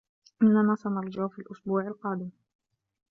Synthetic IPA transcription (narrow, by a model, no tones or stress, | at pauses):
ʔɪnːanaːsɑnɑɾˤd͡ʒaʕfiːlʔʊsbuːʕalqɑːd̪ɪm